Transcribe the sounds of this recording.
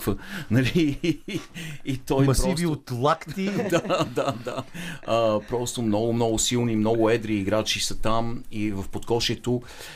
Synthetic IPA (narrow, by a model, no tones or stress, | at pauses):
fənɐli | t̪ɔjmspɾiviot̪lˠak̪id̪ad̪ad̪aəpɾɔst̪omnɔɡʊmnɔɡʊsilˠnimnɔɡʊɛd̪ɾiːɡɾat͡ʃisət̪amivəfpot̪kɔʃɛt̪o